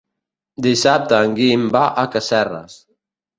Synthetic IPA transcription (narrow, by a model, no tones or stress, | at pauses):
d̪isap̚t̪aːŋɡiːmbaʔakasɛra̰s